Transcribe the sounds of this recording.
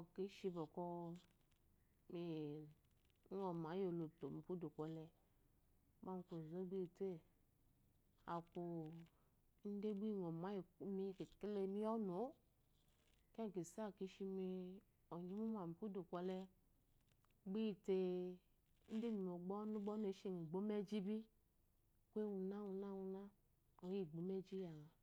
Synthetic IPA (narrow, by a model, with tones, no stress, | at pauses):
ki˨˦ʃi˧bɔ˨kɔ˧ | mi˨˧˦ | ŋɔ˨ma˨˦jo˨lo˨to˨mi˨pu˦do˨kʷɔ˨lɛ˧˦ | ba˦m˧˦ko˨zo˦ɡ͡bi˦˨te˦˨ | a˨ku˨˦ | n̩˦de˦ɡ͡bi˦˨ŋɔ˨ma˨˦jmi˧˦ki˨kle˧mi˦jɔ˦no˨˦ | kɛ˦ŋ˨ki˨sa˦˨ki˨˦ʃi˧mi˧ | ɔ˨ɲi˦mu˦ma˨mi˨pu˦du˨kʷɔ˨lɛ˧ | ɡ͡bi˦˨te˧˦ | n̩˦de˦mi˨m˨o˨ɡ͡bɔ˦nu˦ɡ͡bɔ˦ne˨˦ʃi˦ŋi˨ɡ͡bo˨˦me˦d͡ʒi˦bi˦ | kʷe˦wu˧na˦wu˧na˦wu˧na˦ | o˨˦i˨ɡ͡bo˨˦me˦d͡ʒi˦a˨